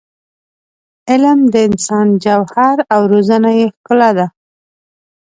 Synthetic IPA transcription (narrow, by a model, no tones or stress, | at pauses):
ɪlmd̪əɪnsɑnd͡ʒawhaɾawɾozanajexkəlad̪a